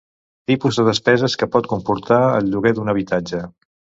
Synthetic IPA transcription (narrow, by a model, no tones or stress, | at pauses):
t̪ipuzðəðəspɛzəskəpɔt̪̚kumpuɾt̪aə̰lˠʎuɣɛd̪unəβ̞it̪ad͡ʒə